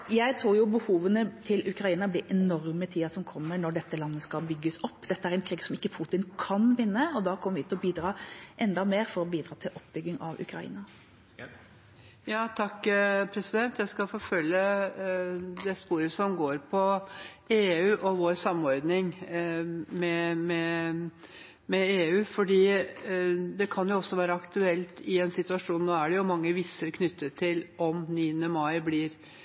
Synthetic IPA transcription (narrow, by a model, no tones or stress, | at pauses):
jæɪt̪ʰɾuːɾjʊbəhuːʋənət̪ʰɪlʉkɾɑiːnɑblɪɾʔɛnɔɾmət̪ʰiːɑsɔmkʰɔmːənɔɖɛt̪ːəlɑnːəskɑlbʏɡːəsɔpːd̪ɛt̪ːəæɾɛnkʰɾiːɡsɔmɪkːəpʰuːt̪ɪnkʰɑnʋɪnːəɔd̪ɑːkʰɔməɾʋɪt̪ʰːɔbiːd̪ɾɑːʔɛnd̪ɑmeːɾfɔɾɔbiːd̪ɾɑːt̪ʰɪlʔɔpːbʏɡːɪŋɑʋʉ̰kɾɑḭːnɑ | jɑːt̪ʰɑkːpʰɾɛsɪd̪ɛnt̪jæɪskɑfɔfœljə | d̪ɛspuːɾəsɔmɡoːɾpʰɔeːʉːʔɔʋoːɾsɑmːɔɾd̪nɪŋ | mɛmɛ | mɛeːʉːfɔɖiː | d̪ɛkʰɑnjʊɔsːɔʋæːɾəɑkt̪ʉɛlt̪ɪɛnsɪt̪ʉɑʂuːnnoːæɖɛjʊmɑŋːəʋiːsəɾkʰnʏt̪ːət̪ʰːɪlɔmniːənəmɑɪblɪɾ